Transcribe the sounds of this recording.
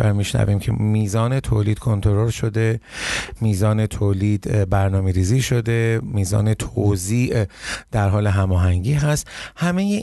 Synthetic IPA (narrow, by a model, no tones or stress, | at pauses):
æɾmiʃnæ̰viːmcʰḛmiːzɒːne̞t̪ʰo̰ːliːd̪̥kʰont̪ʰoɾoɾʃo̞d̪e̞miːzɒːne̞t̪ʰoːliːd̪bæɾnɒːmeɾiːziːʃo̞d̪e̞miːzɒ̰ːne̞t̪ʰoziːʔd̪̥æɾɦɒːleɦæmɒːɦæŋɟiːɦæst̪hæmeje